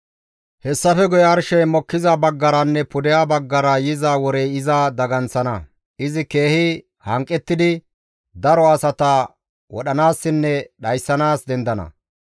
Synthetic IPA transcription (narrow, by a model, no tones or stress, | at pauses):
hɛsːɐfɛɡʊjɛɐɾʃɛjmɔkːɪzɐbɐɡːɐɾɐnːɛpʊd̪ɛjaːbɐɡːɐɾɐjɪzaːwɔɾɛjɪzad̪ɐɡɐnsɐnɐ | ʔɪzɪke̞ːhɪ | hɐŋkʼːɛt̪ːɪd̪ɪ | d̪ɐɾɔɐsɐt̪ɐ | wɔ̰ɗɐnaːsːɪnːɛɗɐjsːɐnaːsd̪ɛnd̪ɐnɐ̰